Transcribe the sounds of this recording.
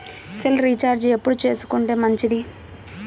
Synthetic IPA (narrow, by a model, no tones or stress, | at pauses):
silɾit͡ʃaːɾd͡ʒepːuɽut͡ʃe̞ːsu̥kuɳʈeːmɐɲt͡ʃid̪i